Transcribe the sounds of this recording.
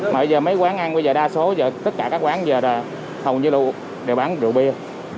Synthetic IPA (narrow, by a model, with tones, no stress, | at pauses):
maː˨˩ɓə˧zəː˨˩mə˨˦jkwaː˨˦ŋʔa˧nɓə˧jzəː˨˩ɗaː˧so˨˦zəː˨˩t̪ə˦˥t̚kaː˧˩kaː˦˥k̚kwaː˨˦nzəː˨˩laː˨˩ | hə˨˩wɲɨ˧lṵ˧˩ | ɗe˨˩wɓaː˨˦nɗɨ̰˨˩˨wɓi˧ə